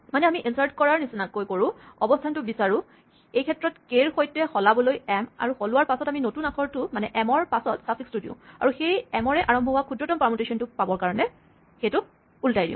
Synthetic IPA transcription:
manɛamiʔinsaɹtkɔɹaɹnisinakːojkoɹʊ̃ɔbɔstʰantʊbisaɹʊ | ejkʰɛtɹɔtkeɹxojtɛxɔlabɔlojɛma̰ɹuxolʊwaɹpasɔtaminotunakʰɔɹtʊmanɛʔɛmɔɹpasɔtsasʰikstudijʊ̰̃a̰ɹuxejɛmɔɹɛʔaɹɔmbʱɔɦʊakʰudɹɔtɔmpamɔtesɔntʊpabɔɹkaɹɔnɛ | xejtʊ | ultajdḭjʊ̰̃

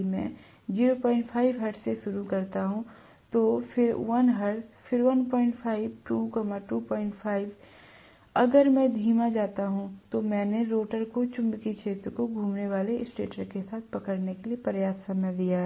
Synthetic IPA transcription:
mɛ̰̃ | d͡ʒiːɾopɔːɪ̃ɳʈpʰaːɪʋɦɐɾʈseʃʊɾukɐɾt̪aɦũ | t̪ofʰɪɾʋɐnɦɐɾt̪fɪɾʋɐnpɔ̃ːɪ̃ɳʈpʰaːɪʋʈuːkɔːmaʈuːpɔːɪ̃ɳʈfʰaːɪʋ | ɐɡəɾmɛ̃d̪ʱiːmad͡ʒaːt̪aɦũt̪omɛ̃ːneɾoːʈəɾkot͡ʃʊ̃mbkit͡ʃʰeːt̪ɾkoɡʱũːmneʋaːleɪsʈḛːʈəɾkesaːt̪̚ʰpɐkəɽnekeliepɾjaːsːɐmjəd̪ijaː

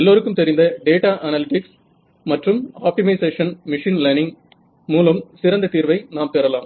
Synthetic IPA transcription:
ɛlːoːɾɯkːɯmt̪ɛɾɪnd̪ɐɖeːʈaːʔɐnɐlɪʈɪks | mɐʈrɯmaːp̚ʈɪmɐɪseːʂɐnmɪʂinlɐnɪŋ | muːlɐmsɪɾɐnd̪ɐt̪iːɾʋɐɪnaːmt̪eːɾɐlaːm

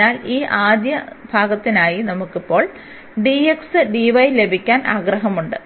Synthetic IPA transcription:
aːliːʔaːd̪jɐbʱaːɡɐt̪ːinaːjinɐmukːipːo̞ːɭ | ɖieksɨɖiʋɐjle̞bʱikʲːaːnʔaːɡrɐɦɐmuɳɖɨ

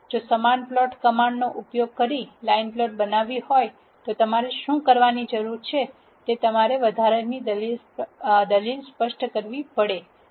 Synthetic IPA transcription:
d͡ʒosəmanplɔʈkəmaɳɖnoʔupjoɡ̚kəɾilainplɔʈ̚bənaʋihoj | t̪ot̪əmaɾeʃũkəɾʋanid͡ʒəɾuɾt͡ʃʰe | t̪et̪əmaɾeʋəd̪ʱaɾənid̪əlil | d̪əlilspəʃʈʰkəɾʋipəɽe

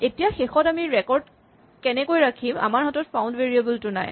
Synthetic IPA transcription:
etijaxexɔtamiɹɛkɔɹd | kɛnɛkojɹakʰima̰maɹɦɔtɔtpʰawndveɹiabultʊna̰j

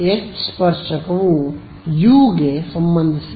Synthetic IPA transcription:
et͡ʃspɐɾʃɐkɐʋu | juːɡesɐmbɐnd̪ʱis

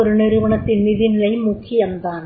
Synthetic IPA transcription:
oɾɯneɾɯʋɐɳɐt̪ːɪnnɪðinɪlɐjmʊkʰːɪjɐmd̪aːn

